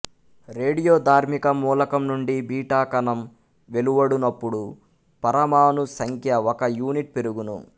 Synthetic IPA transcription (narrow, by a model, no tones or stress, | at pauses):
ɾeːɽijoːd̪ʱaːɾmikɐmuːlɐkɐmnuɳɖibiːʈaːkɐnɐm | ʋe̞luʋɐɽunɐpːuɽu | pɐɾɐmaːnusɐŋkʰjɐɔkɐjuːniʈ̚pe̞ɾuɡunṵ